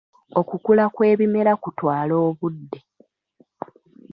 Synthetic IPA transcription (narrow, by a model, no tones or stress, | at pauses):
okukulakwe̞ːβime̞ɾakutwaːlo̞ːβudːe̞